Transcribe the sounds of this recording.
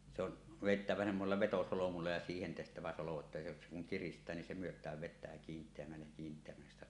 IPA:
se on ʋeˑitːæʋæ semːoselːɑ ʋetosolomulːɑ jɑ siːhen tehtæʋæ solo etːæ se ku se kuŋ kiristˑæː nin se myøtˑæːʋ ʋetˑæː kiːntˑeæmːælːej jɑ kiːntˑeæmːælːes sĭtæ

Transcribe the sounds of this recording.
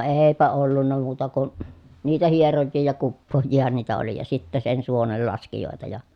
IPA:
eːpæ olːunːɑ muːtɑ kun niːtæ hierojːiː jɑ kupːoːjˑiːhɑn niːtæ oli jɑ sitːæ sen suonelːɑskijoˑetɑ jɑ

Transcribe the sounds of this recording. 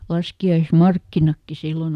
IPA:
lɑskiɑismɑrkːinɑkːi silːon

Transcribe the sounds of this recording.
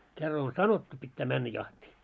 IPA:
kerːɑ on sɑnotːu pitːæː mænːæ jɑhtiː

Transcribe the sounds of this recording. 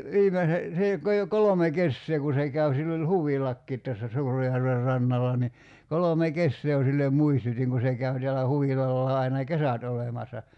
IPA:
ʋiːmese se jo kɑi jo kolome kesːeː ku se kæʋ silː olʲ huʋilɑkːiːt tæsːæ suːrejærʋer rɑnːɑlɑ ni kolome kesːeː jo silːem muistutʲiŋ ku se kæy teælæ huʋilɑlːɑː ɑinɑ kesæt olemɑsːɑ

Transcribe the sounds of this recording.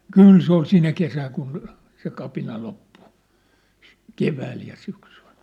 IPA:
kyˑl se ol sinæ kesæːŋ kun se kɑpinɑ lopːu keʋæːl jɑ syksyl̥

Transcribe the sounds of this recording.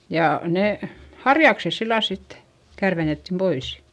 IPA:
jɑ neˑ hɑrjɑkses silːɑl sit kærʋenetːim pois

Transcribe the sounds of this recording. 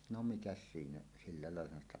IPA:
no mikæs siːnæ silːɑ lɑˑelːɑhɑn stɑ

